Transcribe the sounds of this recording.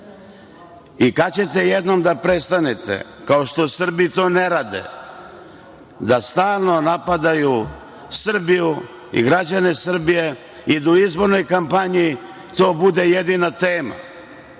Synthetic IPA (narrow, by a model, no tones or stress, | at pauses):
ikat͡ɕe̞t̪e̞jed̪no̞md̪apɾe̞st̪anet̪ḛ | kao̞ʃt̪o̞sr̩bit̪o̞ːne̞ɾaːd̪ḛ | d̪ast̪aːlˠno̞napad̪aju | sr̩biju | ḭɡɾad͡ʑanesr̩bije̞ | id̪uizbo̞ɾno̞jkampaɲi | t̪o̞ːbud̪e̞je̞d̪inat̪e̞ːma̰